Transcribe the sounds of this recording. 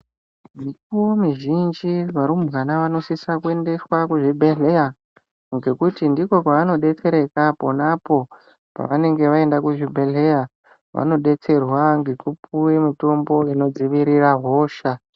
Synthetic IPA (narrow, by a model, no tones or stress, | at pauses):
mikuwomiʒind͡ʒiʋaɾumɣanaʋano̞sisakue̞nde̞swakuʐibʱeɮeja | ŋɡe̞kutindiko̞paʋano̞ɗe̞t͡se̞ɾe̞kaponapo̞ | pa̰ʋane̞ŋɡe̞ʋae̞ndakuʐibʱe̞ɮe̞ja | ʋa̰no̞ɗe̞t͡se̞rwaŋɡe̞kupuemito̞mbo̞ino̞d͡ziʋiɾiraɦo̞ːʃa